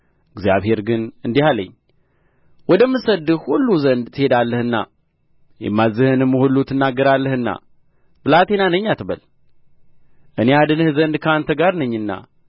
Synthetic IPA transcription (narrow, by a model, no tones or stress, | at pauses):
ɨɡzja̰βhe̞ɾɡɨnɨnd̪ihalə̰ɲː | wɔd̪əmːɨsəd̪ɨhulːuzənd̪t̪ʰːɨhe̞d̪alːəhɨnːa̰ | jɛ̰mːazːɨhɨnɨmːhulːut̪ʰːɨnːaɡːəɾalːəhɨnːa̰ | b̥ɨlat̪ʰe̞nanəɲːat̪ɨβə̰l | ʔɨnead̪ɨnɨhzənd̪kʰəant̪ʰəɡaɾnəɲːɨnːa̰